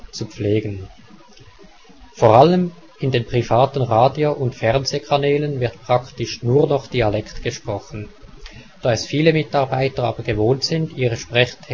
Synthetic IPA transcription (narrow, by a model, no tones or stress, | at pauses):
t͡sup͡fleːɡən | foʁaləm | ɪndeːnpʁ̥ivaːtən̩ʁaːdjoʔʊntfɛʁnzekʰanɛːlənvɪɐtpʁ̥aktɪʃnuːɐnɔχd̥iːalɛktɡ̥əʃpʁ̥ɔχən̩ | d̥aːɛsfiːləmɪtɑʁbaɪtəaːbəɡəvoːntz̥ɪndiːʁəʃpʁ̥ɛçtʰː